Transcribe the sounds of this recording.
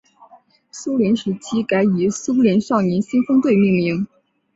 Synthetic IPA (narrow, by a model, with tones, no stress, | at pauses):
su˥ljɛ˧˥nʂɻ̩˧˥t͡ɕʰi˥ka˧˥ɪi˨˩su˥ljɛ˧˥nʂɑ˥˩ʊnjɛ˧˥nɕi˥nfɤ˥ŋt̪we˥˧ɪmi˥˩ŋmi˧˥ŋ